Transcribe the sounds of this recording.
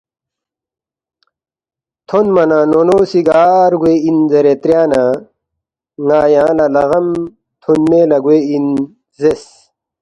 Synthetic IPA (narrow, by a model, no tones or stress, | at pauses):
t̪ʰonmɐnaːnonoːsiɡaːɾɡweinzɐɾet̪ɾjaːna | ŋaːjãːlalɐɣɐm | t̪ʰonmelɐɡwein | zes